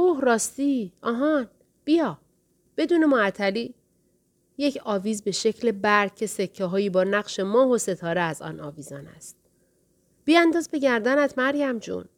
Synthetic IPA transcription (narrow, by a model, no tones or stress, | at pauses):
ohɾɒːst̪iːɒːɦɒn | b̥ijɒː | b̥e̞d̪uːne̞moæt̪ʰːæliː | je̞cʰɒːviːzbe̞ʃe̞cʰle̞bæɾcʰe̞se̞cʰːeɦɒːjiːbɒːnæɣʃe̞mɒːɦose̞t̪ʰɒːɾeæzɒ̰ːnɒ̰ːviːzɒːnæ̰st̪̚ | b̥iːænd̪ɒːzbe̞ɟæɾd̪ænæt̪ʰmæɾɟæmd͡ʒṵn